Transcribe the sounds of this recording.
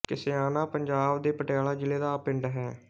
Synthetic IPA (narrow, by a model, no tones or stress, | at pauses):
kɪsɪaːnãːpəɲd͡ʒaːbd̪eːpəʈejaːlaːd͡ʒɪleːd̪aːpɪɳɖɦɛː